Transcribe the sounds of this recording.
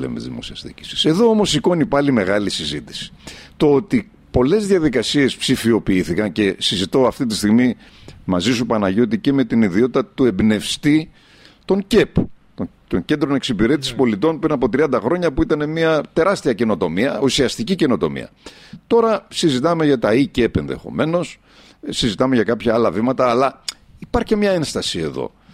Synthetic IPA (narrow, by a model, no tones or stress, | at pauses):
ḛmḛzðimo̞̰siɐst̪ḭci̥si̥se̞ðo̞omo̞siko̞nipɐlime̞ɣɐlisizit̪i̥si̥t̪o̞ot̪i | po̞le̞zðjɐðikɐsie̞spsifio̞piiθikɐnce̞sizit̪o̞ɐft̪it̪ist̪iɣmi | mɐzisupɐnɐʝot̪̬ice̞me̞t̪iniðio̞t̪it̪ɐt̪ue̞bne̞fst̪i | t̪o̞ɲce̞pt̪o | t̪o̞ɲce̞nd̪ɾo̞ne̞ksipiɾe̞t̪isi̥spo̞lit̪o̞npɾinɐpo̞t̪ɾiɐnd̪ɐxɾo̞ɲɐpuit̪ɐne̞miɐt̪e̞ɾɐst̪iɐce̞no̞t̪o̞miɐusiɐst̪icice̞no̞t̪o̞̰mḭɐ̰t̪o̞ɾɐsizit̪ɐme̞ʝɐt̪ɐice̞pe̞̰nðḛxo̞̰me̞no̞s | sizit̪ɐme̞ʝɐkɐpçɐɐlɐvimɐt̪ɐːlɐ | ipɐɾçemɲɐe̞nst̪ɐsie̞̰ðo̞̰